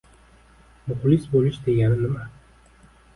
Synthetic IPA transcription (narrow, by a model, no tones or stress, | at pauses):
mʊqlisbolɪʃd̪e̞ɡʲanɪnɪma